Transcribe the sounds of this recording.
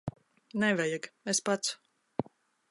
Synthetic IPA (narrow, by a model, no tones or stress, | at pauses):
nɛvɛjakespat̪s